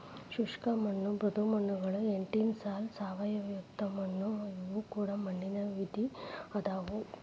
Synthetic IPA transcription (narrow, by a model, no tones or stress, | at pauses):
ʃuʂkɐmɐnːubɾɐd̪umɐɳːuɡɐɭueɳʈinsaːlsaːʋɐjɐʋjukt̪ɐmɐɳːuiʋukuːɽɐmɐɳːinɐʋid̪iɐd̪aːʋu